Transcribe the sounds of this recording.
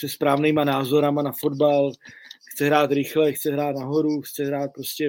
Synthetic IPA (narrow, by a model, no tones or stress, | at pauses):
sɛspɾaːvniːmanaːzo̞ɾamanafo̞dbalxt͡sɛɦɾaːt̪ɾɪxlɛxt̪t͡sɛɦɾaːt̪naɦo̞ɾuxt͡sɛɦɾaːt̪̚pɾo̞scɛ